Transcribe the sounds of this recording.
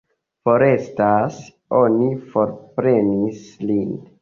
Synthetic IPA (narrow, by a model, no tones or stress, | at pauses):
fo̞ɾe̞stas | o̞nifo̞ɾpɾe̞nislin